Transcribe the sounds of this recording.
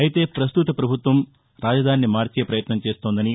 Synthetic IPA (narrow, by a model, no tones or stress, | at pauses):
ɐjit̪epɾɐst̪ut̪ɐpɾɐbʱut̪ʋɐm | ɾaːd͡ʒɐd̪ʱaːnjɐmaːɾt͡ʃiepɾɐjɐt̪nɐmt͡ʃe̞ːst̪oːnd̪ɐni